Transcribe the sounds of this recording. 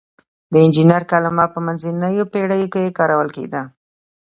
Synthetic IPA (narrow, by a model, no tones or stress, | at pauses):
d̪əɪnd͡ʒinəɾkalamɑpəmanzinəjopeɽajokejekɑɾawəlkḛd̪a